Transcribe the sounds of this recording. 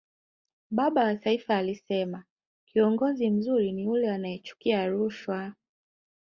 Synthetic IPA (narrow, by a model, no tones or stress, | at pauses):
ɓaɓawataifaːlisɛma | kiɔŋɡɔzim̩zuɾiniulɛanajɛt͡ʃu̥kiaɾuʃwa